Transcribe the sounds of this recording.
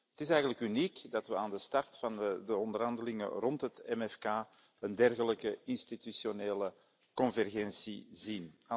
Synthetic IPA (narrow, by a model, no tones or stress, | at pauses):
ətɪsɛjɣənləkynikdɑtʋəaːndəstɑrtfɑndəɔndərɦɑndəlɪŋə̰rɔntɦətɛmɛfkaː | əndɛrɣələkəɪnstit̪ysjoneːlə | kɔnvɛrɣɛnsḭzina